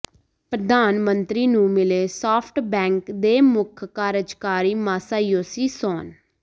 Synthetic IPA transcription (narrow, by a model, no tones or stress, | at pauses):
pɾəd̪aːnmənt̪ɾiːnũːmɪleːsɔːpʰʈbɛ̃ːŋkd̪eːmʊkʰkaːɾəd͡ʒkaːɾiːmaːsaːjoːsiːsɔːn